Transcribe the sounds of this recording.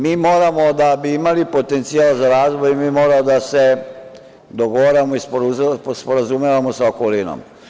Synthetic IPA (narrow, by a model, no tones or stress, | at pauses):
miːmoːɾamod̪abiimalipo̞t̪ent̪sijaːlzaɾaːzʋojimimoːɾamod̪ase | d̪oɡoʋoɾamoispoɾuzspoɾazumeʋamosaokolino̰m